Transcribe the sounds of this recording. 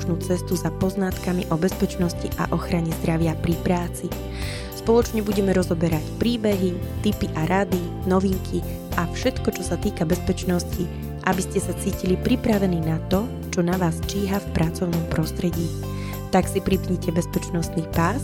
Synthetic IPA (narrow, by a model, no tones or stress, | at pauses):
ʒnuːt͡sɛst̪uzapɔznat̪kamiʔɔbɛspɛt͡ʃnɔsciʔa̰ʔɔxɾaɲɛzd̪ɾaʋɪapɾipɾaːt͡si | spɔlˠɔt͡ʃɲɛbuɟɛmɛɾɔzɔbɛɾacpɾiːbɛɦit̪ipiʔaɾad̪inɔʋiŋkʰi | ʔafʃɛt̪kɔt͡ʃɔsat̪iːkabɛspɛt͡ʃnɔsci | ʔabiscɛsat͡siːcilipɾipɾaʋɛniːnat̪ɔ | t͡ʃɔnaʋaːst͡ʃiːɦafpɾʔat͡sɔʊnɔmpɾɔst̪ɾɛɟiː | t̪aksipɾipɲɛcɛbɛspɛt͡ʃnɔst̪niːpaːs